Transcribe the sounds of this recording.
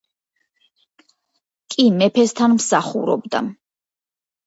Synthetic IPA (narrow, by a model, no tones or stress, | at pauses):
kʼimɛpʰɛst̪ʰanmsaχṵɾɔ̰bd̪a̰